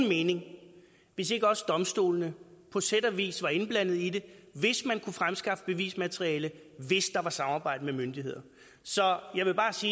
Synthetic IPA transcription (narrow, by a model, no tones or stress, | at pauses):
nme̝ːne̝ŋ | ʋe̝se̝ɡ̥əɒ̽səd̥ɒ̽msd̥o̝̰ːlnəpʰɒ̽sed̥æʋḭːsʋɑ̈e̝nb̥læn̰ð̞̩ˠid̥e̝ʋe̝smænkʰufʁamsɡ̥ɑ̈fd̥əb̥e̝ʋḭːsmæt͡sʰʁiɛːlə | ʋe̝sd̥ɑ̈ʋɑ̈sɑ̈mɑ̈ːbɑ̈ɪ̰d̥əmemønd̥iɦe̝ð̞̰ˠɐ | sɒ̽jɑ̈ɪʋe̝b̥ɑ̈ːsiː